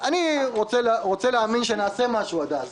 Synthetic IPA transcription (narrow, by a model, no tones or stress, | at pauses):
aniʁot͡selʁot͡seleaːminʃenaːse̞maʃuad̪az